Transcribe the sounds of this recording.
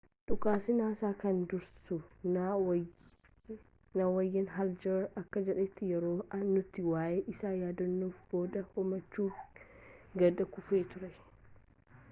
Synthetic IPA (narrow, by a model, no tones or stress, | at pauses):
ᶑʊkʼaːsɪnaːsaːkɐnd̪ʊɾsʊn | nɐwɐjːɐnɦɐld͡ʒɐɾɐkːɐd͡ʒɛᶑɛt̪ːɪjɛɾoːɐnːʊt̪ːɪwaːʔeːʔɪsaːjaːd̪ɐnːoːfb̥o̞ːd̪ɐhɔmɐt͡ʃːuː | ɡɐd̪ɐkʊfeːt̪ʊɾɛ